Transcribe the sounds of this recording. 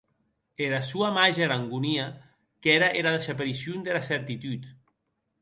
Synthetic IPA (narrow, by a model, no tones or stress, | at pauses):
eɾasuamaʒaɾaŋɡunia | kɛɾaʔeɾaðesapeɾisjund̪elaseɾt̪it̪yt̪